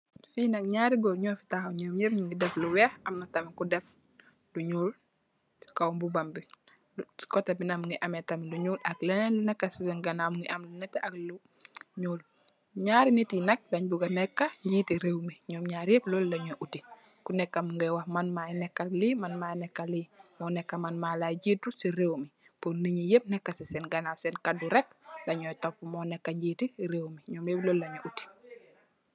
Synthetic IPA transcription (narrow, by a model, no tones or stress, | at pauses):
finakɲaːɾiɡɔɾɲɔːfi̥taxaɲɔːmjɛfɲuŋɡidɛfluwɛhɐmnatamikudɛf | luɲuːl | si̥kawmbubambi | skɔtabinamŋɡiʔamɛtamiluɲuːlaklɛnɛlunɛkːasisiŋɡanamŋɡiʔamlunɛtːɛʔaklu | ɲuːl | ɲaːɾinitinɐk̚laɲbuɡanɛkːaɲɟiːtiɾewmiɲɔːmɲaːɾjeplolːaɲoʔuti | kunɛkːamuŋɡɛwahmanmajnɛkːalimanmajnɛkːalimɔnɛkːamanmalaɟitːusiɾewmi | poniɲijep̚nɛkːasisɛnɡanasɛnkaduɾɛklaɲɔjtɔpːumɔnɛkːaɲɟitiɾewmiɲɔːmjeplɔːlːaɲoʔuti̥